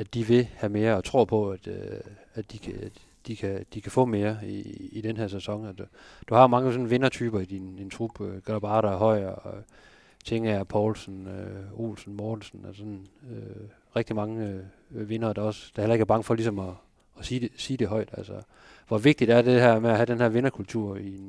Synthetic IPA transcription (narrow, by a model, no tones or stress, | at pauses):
æd̥iʋe̝hæme̝ːɐɒ̽t͡sʰʁo̝ɐpʰɒ̽æd̥ | æ̥d̥ikʰ | d̥ikʰæd̥ikʰæfɔ̰̽ːme̝ːɐiːd̥enɦæɐsæsɒ̽ŋæ̥d̥uhɑ̈mɑ̈ŋəsɒ̽nʋe̝nɐt͡sʰyːb̥ɐid̥inint͡sʰʁub̥øɡ̥ælb̥ɑ̈ːɾɐɦɒ̽ɪ̰ | t͡sʰeŋəæpʰɒːlsn̩øo̝̰ːlsn̩mɔːd̥n̩sn̩æsɒ̽nø | ʁɛɡ̥d̥imɑ̈ŋə | ʋe̝nɐːd̥ɑ̈ɒ̽sd̥ɑhelɐe̝ɡ̥æɐb̥ɑ̈ŋəfɒ̽lisɒ̽mɒː | si̥ːesiːd̥e̝ɦɒ̽ɪd̥ælsɒ | ʋɒ̽ʋe̝ɡ̥̚d̥id̥æɐd̥e̝ɦæɐ̰meæɦæd̥enɦe̝ɐʋe̝nɐkʰult͡sʰuɐ̰in